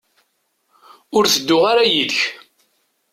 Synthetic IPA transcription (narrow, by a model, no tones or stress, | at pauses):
ʊɾθəd̪ːʊʁaɾajiðç